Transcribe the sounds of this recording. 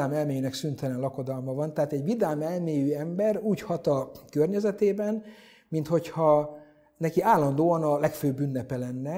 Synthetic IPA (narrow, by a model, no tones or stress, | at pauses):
aːmɛlmeːjynɛksynt̪ɛlɛnlɒko̞d̪ɒlmɒvɒnt̪ɛaːt̪ɛɟvid̪aːmɛlmeːjyɛmbɛruːchɒt̪ɒkørɲɛzɛt̪eːbɛn | mint̪ho̞chɒ | nɛkiaːlːɒnd̪oːɒnɒlɛkføːbːynːɛpɛlɛnːɛ